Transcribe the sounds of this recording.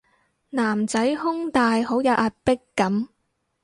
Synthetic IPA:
naː˨˩mt͡sɐ˨˥jhʊ˥ŋt̪aː˨jɦo˨˥wjɐ˨˧wʔaː˧t̚pɪ˥kːɐ˨˥m

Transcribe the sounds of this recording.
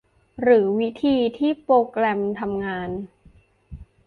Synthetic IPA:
ɾɯː˩˦wi˦˥t̪ʰiː˧t̪ʰiː˥˩pɾoː˧klɛ˧mt̪ʰa˧mŋaː˧n

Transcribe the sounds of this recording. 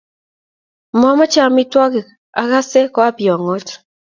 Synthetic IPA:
mɔ˦mɔ˦t͡ʃa˦mɪ˦twɔ˦k | a˨ɡa˦se˦kɔ˦a˦pjɔ˨ŋo˦t

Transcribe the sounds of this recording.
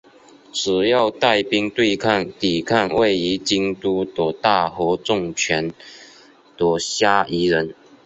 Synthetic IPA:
ʈ͡ʂɻ̩˨˩jɑ˥˧ʊt̪a˥˩ɪpi˥ŋt̪we˥˧ɪkʰa˥˩nt̪i˨˩kʰa˥˧nwe˥˩ɪi˧˥t͡ɕi˥ŋt̪u˥t̪wɔ˨˩t̪a˥˩xɔ˧˥ʈ͡ʂʊ˥˩ŋt͡ɕʰɥɛ˧˥n | t̪wɔ˨˩ɕja˥i˧˥ɻə˧˦n

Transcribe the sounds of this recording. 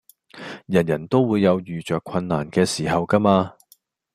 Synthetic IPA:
jɐ˨˩njɐ˨˩nt̪o˥wwuː˨˧jːɐ˨˧wjyː˨t͡ʃœː˨kʷʰɐ˧nːaː˨˩nkɛː˧siː˨˩ɦɐ˨wkɐ˥maː˧

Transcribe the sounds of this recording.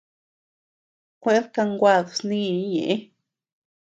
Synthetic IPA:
kʷe˦ɾka˧ŋɡʷa˧˨ðsni˦˨˦ɲḛ˨ʔ

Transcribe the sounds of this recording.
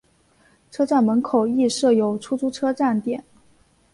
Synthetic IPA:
ʈ͡ʂʰɤ˥ʈ͡ʂa˥˩nmə˧˥nkʰo˨˩ʊi˥˧ʂɤ˥˩jo˨˩ʊʈ͡ʂʰu˥t͡su˥ʈ͡ʂʰɤ˥ʈ͡ʂa˥˩nt̪jɛ˨˩˦n

